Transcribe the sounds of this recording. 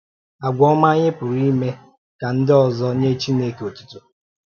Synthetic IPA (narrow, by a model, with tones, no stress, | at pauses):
a˨ɡʷɔ˦ma˦ɲɪ˦pʊ˨ɾi˦me˦ | ka˨n̩˦dɪ˦ɔ˨zɔ˦ɲe˦t͡ʃi˦ne˦ko˨tu̥˦tʊ˨